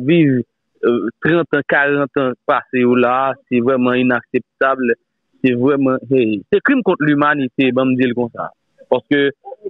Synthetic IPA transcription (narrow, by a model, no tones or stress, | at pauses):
viv | t̪ʁãt̪ãkaʁɑ̃t̪ãpasejolasɛvʁɛmãinaksɛp̚t̪abl | sɛvʁɛmɑ̃esɛkʁimkɔ̃t̪lymanit̪ebãmd͡zilkɔ̃sa̰ | paʁsə̥kø